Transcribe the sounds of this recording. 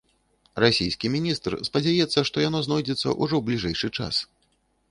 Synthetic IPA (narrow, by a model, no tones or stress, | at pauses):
rasʲijskʲimʲinʲist̪rspɐd͡zʲajɛt̪sːɐʂt̪ɔjanɔznɔjd͡zʲɛt̪sːɐ̰ʔuʐɔwblʲiʐɛjʂɨt͡ʂa̰s